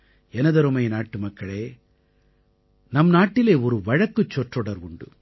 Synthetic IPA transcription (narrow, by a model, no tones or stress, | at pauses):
ɛnɐd̪ɐɾomɐjɐnaːʈːumɐkːɐɭe | nɐmːnaːʈːileːɔɾuʋɐɻɐkːut͡ʃːɔʈːoɽɐɾʋuɳɖṵ